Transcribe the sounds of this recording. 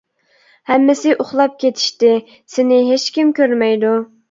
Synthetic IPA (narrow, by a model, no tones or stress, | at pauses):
hɛmːɪsɪʔoχlˠɑp̚kʲʰet̪ʰɪ̥ʃt̪ɪ | sɪnɪɦet͡ʃkʲimkʲøɾmɛjd̪u